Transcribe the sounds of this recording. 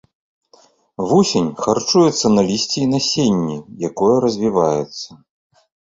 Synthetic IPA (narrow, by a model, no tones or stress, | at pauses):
vusʲenʲxart͡ʂujɛt̪sːɐnɐlʲisʲt͡sʲɛinasʲenʲːijakɔjɐɾɐzʲvʲivajɛt̪sːɐ